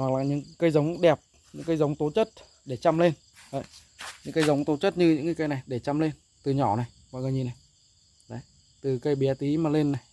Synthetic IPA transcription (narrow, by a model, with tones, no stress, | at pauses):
wa˨˩k̚laː˨˩ɲɨ̰˧˥ŋkə˧jzə˨˦wŋ͡mɗɛ˨˩p̚ | ɲɨ̰˧˥ŋkə˧jzə˨˦wŋ͡mt̪o˨˦t͡ɕə˦˥t̚ | ɗe˧˩t͡ɕa˧mle˧n | ɗə˨˧˨j | ɲɨ̰˧˥ŋkə˧jzə˨˦wŋ͡mt̪o˨˦t͡ɕə˦˥t̚ɲɨ˧ɲɨ̰˧˥ŋkaː˨˦jkə˧jna˨˩jɗe˧˩t͡ɕa˧mle˧n | t̪ɨ˨˩ɲɔ˧˩na˨˩j | kɔ̰˧˨jɣəː˨˩ɲi˨˩na˨˩j | ɗə˨˦j | t̪ɨ˨˩kə˧jɓi˨˦t̪i˨˦maː˨˩le˧nːa˨˩j